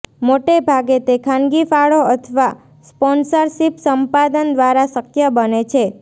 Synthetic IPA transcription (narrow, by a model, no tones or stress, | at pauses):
moʈebʱaɡet̪ekʰãnɡifaɭoət̪ʰʋa | spɔnsəɾʃipsəmpad̪ənd̪ʋaɾasəkjəbənet͡ʃʰe